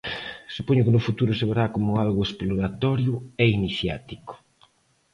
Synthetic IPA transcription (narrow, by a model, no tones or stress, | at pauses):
supoɲʊkenʊfut̪uɾʊseβeɾakomʊalɣʊesploɾat̪ɔɾjʊɛiniθja̰t̪ikʊ̥